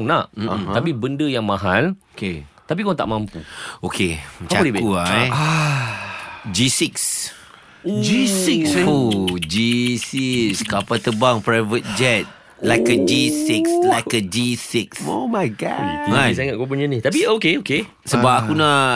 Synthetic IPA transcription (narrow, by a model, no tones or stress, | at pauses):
ŋnaʔm̩apibəndəjaŋmãɦal | ket̪ap̬ikɔt̪aʔmãmpuokʰedikuaj | d͡ʒisiks | d͡ʒisiksod͡ʒisiskapat̪əbaŋpɾajvət̪̚d͡ʒɛt̪̚ | lajkəd͡ʒisikslajkəd͡ʒisiksomajɡa̰asaŋat̪̚kop̬uɲənit̪ap̬iokeoke | səbap̚akunaʔ